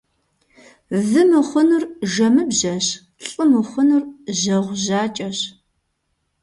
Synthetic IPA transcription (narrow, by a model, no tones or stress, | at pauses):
zɨmɨχʷʊnurʒɐmɨbʑɐɕ | ɬʼɨmɨχʷʊnurʑɐʁʷʒaːt͡ʃʼɐɕ